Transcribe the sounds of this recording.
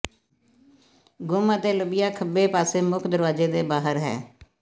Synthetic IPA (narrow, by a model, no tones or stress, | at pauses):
ɡʊmət̪eːləbɪjaːkʰəbeːpaːseːmʊkʰd̪əɾʋaːzeːd̪eːbaːɦəɾɦɛ̰ː